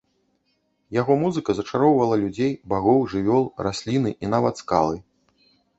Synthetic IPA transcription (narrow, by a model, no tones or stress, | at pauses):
jaɣɔmuzɨkɐzɐt͡ʂaɾɔwvɐlˠɐlʲud͡zʲejbaɣɔwʐɨvʲɔlˠrasʲlʲinɨʔin̪avɐt̪ska̰lˠɨ